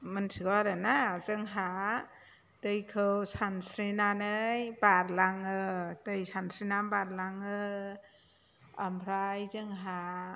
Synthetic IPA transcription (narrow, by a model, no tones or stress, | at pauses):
mɯnsʰiɡɔɾɯnazɯŋɦa | tɯjkʰɯwsansɾinanɯjbaɾlaŋɯtɯjsansʰɾinambaɾlaŋɯ | ambʰɾajzɯŋɦa